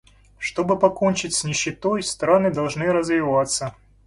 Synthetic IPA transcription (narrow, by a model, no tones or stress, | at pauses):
ʂt̪o̞bɨpɐkonʲt͡ɕɪtʲsʲnʲɪɕːɪt̪ojst̪ɾanɨd̪ɐlˠʐnɨɾəzvʲɪvat̪sːə